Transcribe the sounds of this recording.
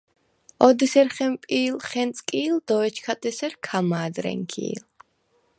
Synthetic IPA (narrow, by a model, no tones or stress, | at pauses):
ɔd̪isɛɾχɛmpʼiːlχɛnt̪sʼkʼiːld̪ɔɛt͡ʃʰkʰat̪ʼɛsɛɾkʰamaːd̪ɾɛ̰ŋkʰḭːl